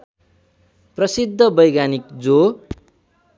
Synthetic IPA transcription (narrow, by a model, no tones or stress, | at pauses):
prʌsid̪ʱːʌbʌjɡanikd͡zo